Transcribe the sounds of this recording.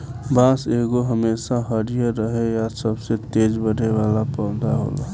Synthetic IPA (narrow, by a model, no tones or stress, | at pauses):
bãseɡoɦəmesaɦəɾijəɾəɦejasəbset̪ed͡ʒbəɽʱeʋalapɔ̃ːd̪aɦo̰ːlo̰